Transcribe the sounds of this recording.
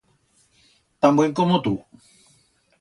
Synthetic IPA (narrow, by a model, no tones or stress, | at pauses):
t̪ãmbuẽŋkomõt̪u